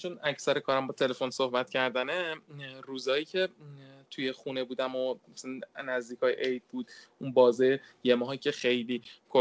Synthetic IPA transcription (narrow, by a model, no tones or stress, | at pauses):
t͡ʃʰonæcʰsæɾekʰɒːɾæmbɒːt̪ʰe̞le̞fo̞nso̞hbæt̪cʰæɾd̪æneruːzɒːjiːcʰe̞t̪ʰujeχune̞buːd̪æmoæsnːæzd̪iːkʰɒːjeʔejd̪̚buːd̪unbɒːzɒːjeje̞mɒːhicʰe̞xejliːkʰo